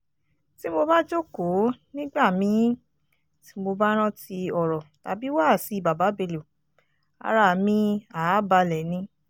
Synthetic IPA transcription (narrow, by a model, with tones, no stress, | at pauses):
ti˦mo˧ba˦d͡ʒo˦ko˨˦nĩ˦ɡ͡ba˦˨mĩ˨˦ | ti̥˧˦mo˧ba˦ɾ̃ã˦ti˧ɔ˨ɾɔ˨ta̰˨bi˨˦waː˦˨si˨˦˨ba˨ba˨˦be˧lu˨ | a̰˨˧ɾa˧˨mĩ˧a˨˦ba˧lɛ˨nĩ˧˦